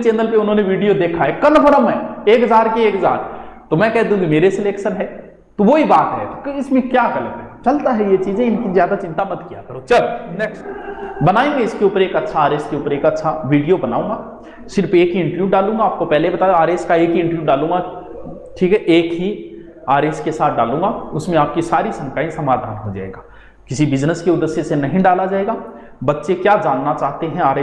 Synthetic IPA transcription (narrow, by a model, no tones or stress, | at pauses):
t͡ʃẽːnd̪əlpeʊnɦõːneʋiːɖijod̪eːkʰaɦɛːkɐlpəɾəmɦɛːeːkɦɐzaːɾkeeːkɦəza̰ːɾt̪omɛ̃ːkɛɦd̪iũkimeːɾesɪleːkʃənɦɛː | t̪oʋoɦibaːt̪ɦɛ̰t̪okɪsmẽkjaːkɐləmɛt͡ʃɐlt̪aɦɛjet͡ʃiːzẽɪnkizjaːd̪at͡ʃɪ̃nt̪amɐt̪kija̰kɐɾoːt͡ʃɐlnɛːksbɐnaːĩɡẽɪskeuːpəɾeːkɐtːʃʰaaːɾeɪskeuːpəɾeːkɐtːʃʰaʋiːɖijobɐnaːũːŋɡa | ʃɪɾfeːkɦiɪ̃ɳʈəɾʋjuɖaːlũːŋɡaːp̚kopɛɦlebɐt̪aːjoaːɾeːskaeːkɦiɪ̃ɳʈəɾʋjuɖaːlũːŋɡa | ʈʰiːkɦɛʔeːkɦi | aːɾeːskesaːt̪̚ʰɖaːlũːŋɡaʊsmẽaːp̚kisaːɾisɐ̃ŋkaːẽsɐmaːd̪ʱa̰ːnɦod͡ʒa̰ːḛːɡaː | kɪsibɪznəskeʊd̪əsjesenɐɦĩɖaːlad͡ʒaːeːɡaː | bɐtːʃekjaːd͡ʒaːnːat͡ʃaːɦt̪eɦɛ̃aːɾe